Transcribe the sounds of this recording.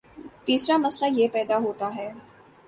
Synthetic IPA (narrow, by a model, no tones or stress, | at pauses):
t̪iːsɾamɐslajepɛːd̪aɦoːt̪aɦɛː